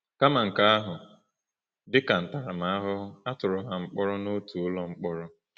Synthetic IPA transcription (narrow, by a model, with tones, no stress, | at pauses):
ka˦ma˨ŋ̩˨ka˦a˦ɦʊ˨ | dɪ˦ka˨n̩˨ta˨ɾa˨m̩a˦a˦ɦʊ˦a˦tʊ˨ɾʊ˨ɦa˨ŋ͡m̩˦k͡pɔ˦ɾɔ˦no˦tu˨ʊ˦lɔ˦ŋ͡m̩˦k͡pɔ˦ɾɔ˦